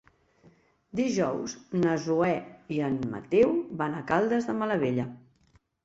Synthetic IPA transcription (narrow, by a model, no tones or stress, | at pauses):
d̪iʒɔwznəzuɛiənmə̰t̪ɛwβanəkalˠd̪əzðəmələβeʎə